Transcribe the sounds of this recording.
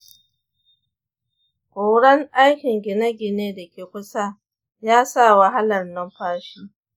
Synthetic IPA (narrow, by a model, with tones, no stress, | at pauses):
kʷoː˨ɽɐ˦ŋʔa˦jkʲɪ˨ŋɡʲɪ˨nɐ˦ɡʲɪ˨neː˦da˨kʲeː˨kʷʊ˦sa˦ | jaː˦sa˦˨wɐ˨ɦa˦lɐ˨rnɐ˦mɸaː˦ʃiː˦